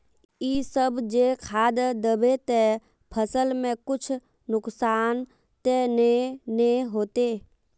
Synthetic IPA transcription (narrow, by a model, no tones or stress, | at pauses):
iːsəbd͡ʒekʰaːd̪d̪əbet̪e | pʰəsəlmẽkʊt͡ʃʰ | nʊksaːn | t̪eneneɦoːt̪eː